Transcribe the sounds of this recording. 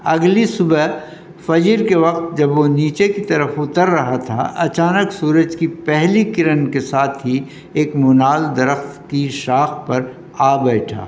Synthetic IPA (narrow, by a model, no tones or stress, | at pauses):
ɐɡlisʊbə | fɐd͡ʒəɾkeʋɐqt̪̚d͡ʒɐbʋoniːt͡ʃekit̪ɐɾəfʊt̪əɾːɐɦat̪ʰa̰ɐ̰t͡ʃaːnəksuːɾəd͡ʒkipɛɦlikɪɾənkesaːt̪ʰɦi | eːkmʊnaːld̪ɐɾəxt̪kiʃaːxpɐɾ | aːbɛːʈʰa̰ː